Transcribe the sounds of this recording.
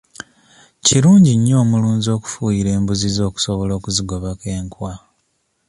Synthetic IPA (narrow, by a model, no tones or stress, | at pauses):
ciɾuːɲɟiɲːo̞ːmuluːnzo̞ːku̥fujiɾe̞ːmbuzizo̞ːku̥soβolo̞ːkuziɡo̞βake̞ːŋkwa